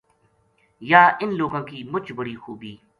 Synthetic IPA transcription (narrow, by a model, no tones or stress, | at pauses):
jaːɪnloːɡãːkiːmʊt͡ʃbəɽiːxuːbiː